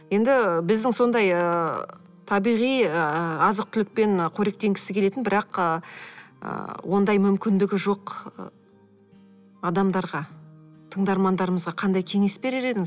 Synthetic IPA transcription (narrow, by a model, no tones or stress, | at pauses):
je̞nd̪ɪbɪzd̪ɪŋso̞nd̪ɑjə | t̪ʰɑbijʁijəəɑzəq̚t̪ʰʏlɪk̚pe̞nqʰoɾe̞k̚t̪ʰe̞ŋɡʲɪ̥sɪkʲʰele̞t̪ɪnbɪɾɑqə | ə̰wʔo̞nd̪ɑjmʏmkʲɪnd̪ɪɡʲɪʒo̞qə | ɑd̪ɑmd̪ɑɾʁɑt̪ʰəɴd̪ɑɾmɑnd̪ɑɾəməzʁɑqʰɑnd̪ɑjkʲʰe̞ŋe̞sbe̞ɾɪɾe̞d̪ɪŋɪz